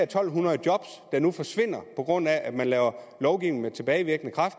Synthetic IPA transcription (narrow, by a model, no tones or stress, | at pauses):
ɐt͡sʰɒ̽l̰ɦunɐð̩ˠd̥jɒ̽b̥s | d̥ɑ̈nufɒ̽sʋe̝n̰ɐpʰɒ̽ɡ̥ʁɔ̽n̰æʔæd̥mænlɛːʊɐlɒʊɡ̥iʊ̰nŋ̩met͡sʰe̝b̥ɛːɪʋiɐɡ̥ənəkʰʁɑ̈fd̥